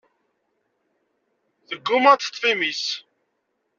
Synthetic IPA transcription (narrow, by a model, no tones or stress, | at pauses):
θəɡːʊmɑt̪t̪ˤːfimis